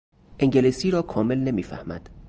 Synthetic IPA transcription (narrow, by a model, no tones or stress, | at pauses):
ʔeŋɟelisiːɾɒːkʰɒːme̞lne̞miːfæ̰hmæ̰d̪̥